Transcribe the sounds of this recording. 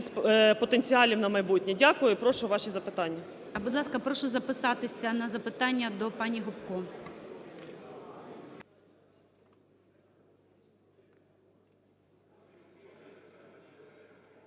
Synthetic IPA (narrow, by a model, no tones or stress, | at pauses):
sʲpɔt̪enʲt͡sʲiɑlʲiwnɐmɐjbutʲnʲidʲakʊjʊipɾɔʃʊʋɑʃizɐpɪt̪ɑnʲːɐ | ɐbud̪lˠɑskɐpɾɔʃʊzɐpɪsɑt̪ɪsʲɐnɐzɐpɪt̪ɑnʲːɐd̪ɔpɑnʲiɦɔpkɔ